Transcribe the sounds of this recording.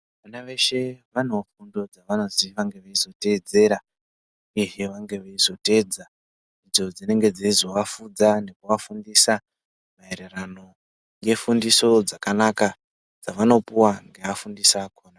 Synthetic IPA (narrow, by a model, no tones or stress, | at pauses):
ʋanaʋe̞ʃe̞ʋan̤ofundo̞d͡zaʋano̞ziʋaŋɡe̞ʋeizo̞te̞ːd͡ze̞ɾa | ujeɦe̞ʋaŋɡe̞ʋeizo̞te̞ːd͡za | id͡zo̞d͡zine̞ŋɡe̞d͡zeizo̞ʋafud͡zane̞kuʋafundisa | maeɾerano̞ | jɡe̞fundiso̞d͡zakanaka | d͡zaʋano̞puwaŋɡe̞afundisaːkoːna